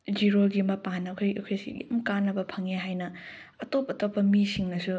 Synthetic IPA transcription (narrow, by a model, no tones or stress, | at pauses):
d͡ʒiɾoɡimɐpanɐkʰojɐ̰kʰojsḭja̰mkanːɐbɐpʰɐŋeɦajnɐɐtop̚ɐtopːɐmisiŋnɐsu